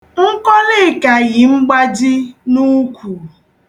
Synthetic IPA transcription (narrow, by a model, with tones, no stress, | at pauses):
ŋ̩˦kɔ˦lɪ˦˨ka˨ɣɪ˨ŋ͡m̩˦ɡ͡ba˦d͡ʒɪ˦nu˦kʷu˨